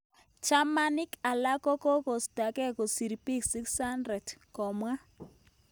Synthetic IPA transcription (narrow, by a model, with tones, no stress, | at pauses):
t͡ʃa˦ma˦nɪ˦ka˨la˦kɔ˦kɔ˦ko˨sta˨kɛ˦ko˨si˨ɾi˨pi˦ksi˦ksha˦ndɾɛ˨dkɔ˨mwa˦